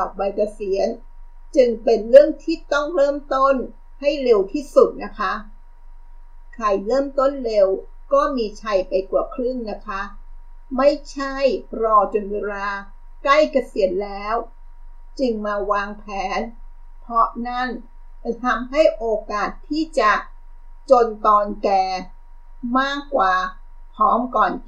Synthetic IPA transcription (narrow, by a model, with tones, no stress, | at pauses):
ka˨˩p̚wa˧jka˧si˩˦ən | t͡ɕɯ˧ŋpe˧nɾɯ˥˩əŋt̪ʰiː˥˩t̪ɔ˥˩ŋɾɤː˥˩mt̪o˥˩n | ha˥˩jle˧wt̪ʰiː˥˩su˨˩t̪̚na˦˥kʰa˦˥ʔ | kʰa˨˩jɾɤː˥˩mt̪o˥˩nle˧w | kɔː˥˩miː˧t͡ɕʰa˧jpa˧jku˨˩kʰɾɯ˥˩ŋna˦˥kʰa˦˥ʔ | ma˥˩jt͡ɕʰa˥˩jɾɔː˧t͡ɕo˧nweː˧ɾaː˧ | kla˥˩jka˧si˨˩˦ən̚lɛː˦˥w | t͡ɕɯ˧ŋmaː˧waː˧ŋpʰɛː˩˦n | pʰɔ˦˥ʔna˥˩n | a˧˩t̪ʰa˧mɦa˥˩jʔoː˧kaː˨˩t̪ʰːiː˥˩t͡ɕa˨˩ | t͡ɕo˧nt̪ɔː˧nkɛː˧ | maː˥˩kːwaː˨˩ | pʰɔː˦˥mkɔː˨˩n